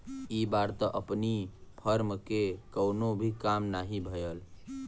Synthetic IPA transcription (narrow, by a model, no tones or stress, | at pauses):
ibaɾt̪əʔəpnipʰəɾmkekəwnobʱikamnaɦibʱəjəl